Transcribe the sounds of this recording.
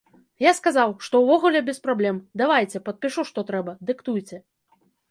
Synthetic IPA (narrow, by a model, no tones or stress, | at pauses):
jaskazawʂt̪ɔwvɔɣulʲɛbʲɛspɾablʲɛmd̪avajt͡sʲɛpɐt̪̚pʲiʂuʂt̪ɔt̪ɾɛbɐd̪ɨkt̪ujt͡sʲɛ